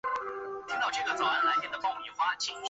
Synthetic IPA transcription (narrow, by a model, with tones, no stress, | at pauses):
t̪ʰi˥ŋt̪ɑ˥˧ʊʈ͡ʂʰe˥˩ɡə˨˩t͡sɑ˨˩˦a˨˩nla˧˥ɪt̪ʰjɛ˥nd̪ə˨kɑ˥˩ŋmi˨˩xwa˥t͡ɕʰi˥ŋ